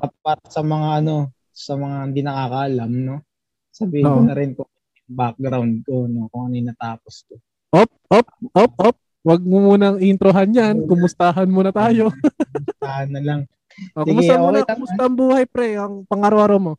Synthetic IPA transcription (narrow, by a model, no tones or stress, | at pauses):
ʔɐt̪̚paːɾɐsɐmɐŋaɐno̞ | sɐmɐŋahɪnd̪inɐkaːkɐʔɐlamno̞ | sɐbiːhɪnɐɾɪnkʊŋ | bak̚ɡɾawnd̪̚konokʊŋɐnoɪnɐt̪aːposko | ʔop̚ʔop̚ʔop̚ʔop̚ | wɐɡ̚mʊmuːnɐŋiɪnt̪ɾoɦanjankʊmʊst̪aɦɐnmuːnɐt̪aːjo̞t̪ahɐnːɐlaŋ | ʔoksʊmʊst̪aomuːnɐɐkkʊmʊst̪aʔɐŋbuːhɐjpɾɛɐŋpɐŋaːɾoʔaɾomo̞